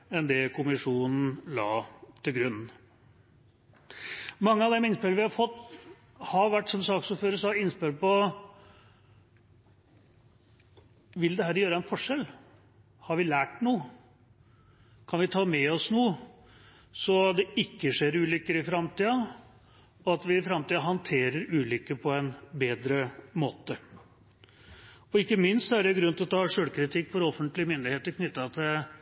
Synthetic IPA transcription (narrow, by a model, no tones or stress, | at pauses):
ɛnd̪ɛkʰʊmɪʂuːnn̩lɑ̰ːt̪ʰɪlɡɾʉnːn̩ | mɑŋːəɑʋd̪ɛmɪnspɪlʋɪhɑɾfɔt̪ː | hɑɾʋæʈːʂɔmsɑːksʊːføːɾəsɔɑɪnːspɪlpɔ | ʋɪld̪ɛɦæːɾjøːɾəɛnfɔʂɛl | hɑɾʋɪlæːʈnuːə | kʰɑnʋɪt̪ʰɑːmɛɔsnuːə | sɔd̪ɛɪkːəʂeːɾʉːlʏkːəɾɪfɾɑmt̪iːɑ | ɔɑt̪ʋɪɪfɾɑmt̪iːɑɦɑnt̪ʰeːɾəɾʉːlʏkːəpʰɔɛnbeːd̪ɾəmoːt̪ə | ɔɪkːəmɪnst̪sɔæɖɛɡɾʉnt̪ɪlɔt̪ʰɑːʂøːlkʰɾɪt̪ʰɪkːfɔɾɔfənt̪lɪəmʏnd̪ɪheːt̪əɾkʰnʏt̪ːɑt̪ʰɪl